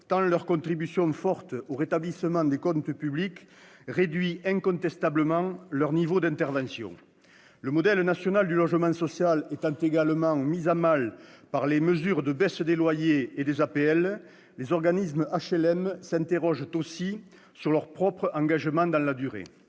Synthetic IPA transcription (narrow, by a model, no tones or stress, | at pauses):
t̪ɑ̃lœʁkɔ̃nt̪χibysjɔ̃fɔʁt̪əoʁet̪ablisəmɑ̃d̪ekɔ̃nt̪əpyblik | ʁed̪ɥiɛ̃kɔ̃nt̪ɛst̪abləmɑ̃ŋlœʁnivod̪ɛ̃nt̪ɛʁvɑ̃sjɔ̰̃ | ləmɔd̪ɛlnasjɔnald̪ylɔʒəmɑ̃sɔsjalɛt̪ɑ̃nt̪eɡaləmɑ̃mizamalpaʁleməzyʁd̪əbɛsəd̪elwajeːd̪ezapeɛl | lezɔʁɡanisməaʃɛlɛmsɛ̃nt̪eʁɔʒt̪osi | syʁlœʁpχɔpχəɑ̃ŋɡaʒəmɑ̃d̪ɑ̃lad̪yʁḛ